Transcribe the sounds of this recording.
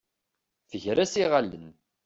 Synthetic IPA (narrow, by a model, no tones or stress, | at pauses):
θəʝɾæsiʁalːə̰n